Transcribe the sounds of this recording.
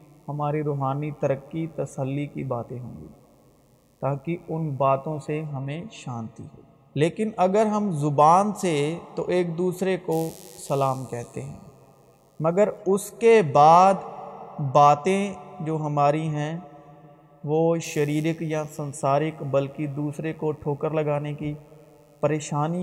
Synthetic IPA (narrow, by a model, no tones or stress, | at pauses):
hɐmaːɾiɾoːɦaːnit̪ɐɾəkːit̪ɐsəlːikibaːt̪ẽɦõ̰ːŋɡḭː | t̪aːkiʊnbaːt̪õseɦɐmẽʃãːnt̪ḭɦɛː | leːkɪnɐɡəɾɦɐmzʊbaːnset̪oʔeːk̚d̪uːsɾekosɐlaːmkɛɦt̪eɦɛ̰̃ː | mɐɡəɾʊskebaːd̪baːt̪ẽd͡ʒoːɦɐmaːɾiɦɛ̃ | ʋoːʃɐɾiːɾɪkjasɐ̃nsaːɾɪkbɐlkid̪uːsɾekoʈʰoːkəɾlɐɡaːneki | pɐɾeːʃaːni